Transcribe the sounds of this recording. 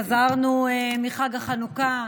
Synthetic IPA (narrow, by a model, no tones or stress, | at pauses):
azaʁnuemiχaɡaχanuka